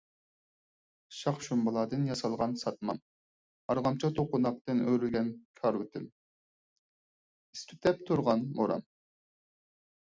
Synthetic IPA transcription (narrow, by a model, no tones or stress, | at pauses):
ʃɑχʃumbɑlˠɑːd̪ɨnjɑsɑlˠʁɑnsɑt̪̚mɑ̰m | ɑɾʁɑmt͡ʃʰɑt̪ʰoqʰonɑq̚t̪ɨnøɾylɡʲɛnkʲʰɑɾwut̪ʰɪm | ist̪ʰyt̪ʰɛp̚t̪ʰuɾʁɑnmoɾɑ̰m